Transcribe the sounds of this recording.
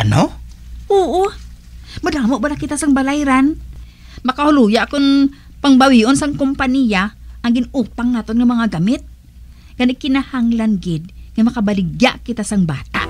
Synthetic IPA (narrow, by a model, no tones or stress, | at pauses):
ʔɐnoʔoːʔo | mɐd̪aːmoʔbalakɪt̪asɐŋbalajɾan | mɐkahʊluːjaʔkʊn | pɐŋbɐwiʔonsɐŋkʊmpanijaʔɐŋɡɪnuːpaŋnaːt̪onŋɐmɐŋaɡamɪt̪̚ | ɡ̥anɪkɪnahaŋlanɡɪd̪̚ŋajmɐkɐbɐlɪɡjaʔkɪt̪asɐŋba̰ːt̪a̰ʔ